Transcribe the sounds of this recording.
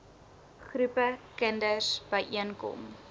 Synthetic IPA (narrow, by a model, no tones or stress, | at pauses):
χrupəkəndəsb̥əjʔiənkɔ̰m